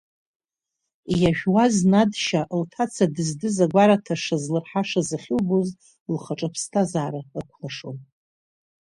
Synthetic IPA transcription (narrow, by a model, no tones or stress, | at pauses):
ijaʒᶣwaznadʃaʔltʰat͡sʰadɨzdɨzaɡʷaɾatʰaʂazlɨrħaʂazɨχʲɪlboz | lχaʈ͡ʂʼɨpʰstʰazaːɾaɨkʷʰlaʂon